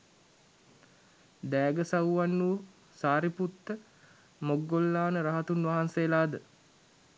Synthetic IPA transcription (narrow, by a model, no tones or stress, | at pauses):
d̪ɛːɡəsawʋanːu | saːɾiput̪ːə | moɡːolːaːnəɾaɦat̪unʋaɦanseːlaːd̪ə